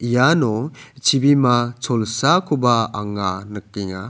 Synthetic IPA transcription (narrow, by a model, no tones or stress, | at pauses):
ijanɔt͡ʃʰibimat͡sʰɔlsakʰubaːŋanɯkiŋa